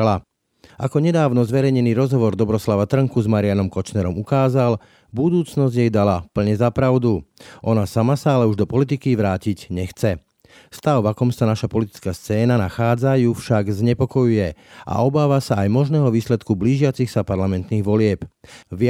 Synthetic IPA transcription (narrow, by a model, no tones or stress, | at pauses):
la | ʔakɔɲɛd̪aːʋnɔzʋɛɾɛjɲɛniːɾɔzɦɔʋɔɾd̪ɔbɾɔslaʋat̪r̩ŋkuzmaɾɪanɔmkɔt͡ʃnɛɾɔmukaːzal | bud̪uːt͡snɔzɟjɛjd̪alapl̩ɲɛzapɾaʊd̪uʔɔnasamasaalɛuʒd̪ɔpɔlit̪ikiʋɾaːciɟɲɛxt͡sɛ | st̪aʊʋakɔmsanaʃapɔlit̪i̥t͡skaːst͡sɛːnanaxaːd͡zajufʃaɡzɲɛpɔkɔjujɛʔa̰ɔbaːʋasaːjmɔʒnɛːɦɔʋiːslɛt̪kubliːʒɪat͡sixsapaɾlamɛnt̪niːɣʋɔlɪɛpʋɪ